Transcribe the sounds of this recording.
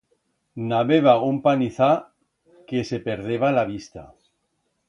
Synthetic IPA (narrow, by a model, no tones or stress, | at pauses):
naβeβaumpaniθa | ke̞se̞pe̞ɾðeβalaβist̪a̰